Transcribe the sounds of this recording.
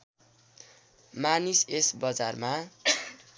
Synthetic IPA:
manisesbʌd͡zarma

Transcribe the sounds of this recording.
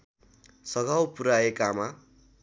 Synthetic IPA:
sʌɡʱawpuɾaekama

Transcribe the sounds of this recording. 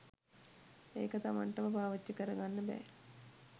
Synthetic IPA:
eːkət̪aʋa̰ɳʈəmɐbaːʋɐt͡ʃːəkəɾɐɡanːəbɛ̰ː

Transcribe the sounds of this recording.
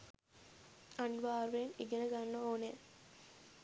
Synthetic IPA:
ɐniʋaːɾuʋeniɡenəɡanːəoːne

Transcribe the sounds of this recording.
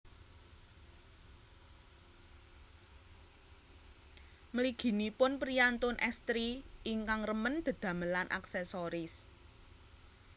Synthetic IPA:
məliɡ̥i̤nipʊnpɾiant̪ʊnʔɛst̪ɾiʔiŋkaŋrəmənd̪̥ə̤d̪̥ä̤məlanʔa̰ksɛsoɾɪs

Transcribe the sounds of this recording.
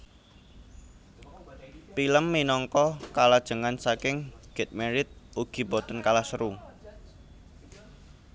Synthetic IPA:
piləmːinɔŋkɔkalad̥ʒ̥ə̤ŋansakɪŋɡ̥ɛt̪̚meɾɪt̪̚ʔuɡ̥i̤bɔt̪ənkalahsəɾu

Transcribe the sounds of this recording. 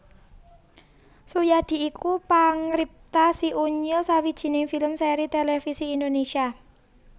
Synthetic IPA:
sujad̪̥i̤ikupaŋɾip̚t̪asiʔuɲilsawid̥ʒ̥i̤nɪŋfiləmseɾit̪elefisiːnd̪onesia

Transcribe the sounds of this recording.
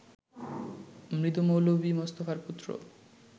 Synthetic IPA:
mɾit̪umowlobimost̪ofaɾput̪ːɾo̰

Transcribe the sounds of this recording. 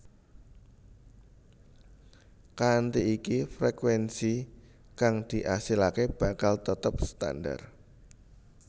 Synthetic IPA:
kant̪iikifɾekwɛnsi | kaŋd̪̥i̤ʔasilakeb̥ä̤kalt̪ət̪əp̚st̪a̰nda̰r

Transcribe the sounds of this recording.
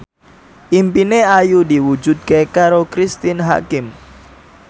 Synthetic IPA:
ʔimpineajudiwu̥d͡ʒ̥ut̪̚kekaɾokɾist̪ɪnɦa̰kɪm

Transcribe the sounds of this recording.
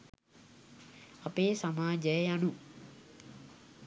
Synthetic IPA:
ɐpeːsamaːd͡ʒəjanũ

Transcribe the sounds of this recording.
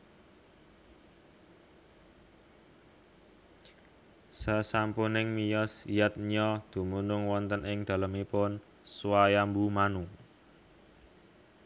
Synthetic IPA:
səsampunɪŋmijɔsijat̪̚ɲɔd̪̥ṳmunʊŋwɔnt̪ənɪŋd̪̥a̤ləmipʊn | suwajambumanuŋ

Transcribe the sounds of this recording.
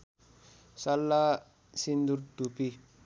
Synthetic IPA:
salːa | sind̪uɾd̪upi

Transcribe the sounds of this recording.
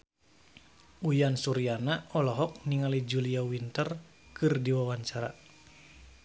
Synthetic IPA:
ʔujansuɾianaɔlɔɦɔk̚niŋalid͡ʒuliawint̪ər | kɨrdiwawaɲt͡ʃaɾa̰

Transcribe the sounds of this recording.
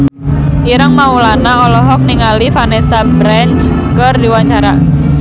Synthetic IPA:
ʔiɾəŋmaulanaɔlɔɦɔk̚niŋalifanesabɾant͡ʃ | kərdiwaɲt͡ʃaɾa

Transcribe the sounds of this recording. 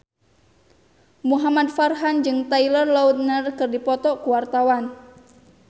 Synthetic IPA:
muɦamadfarɦand͡ʒɨŋt̪ailɔrlaut̪̚nərkɨrdipɔt̪ɔʔkuwart̪awan

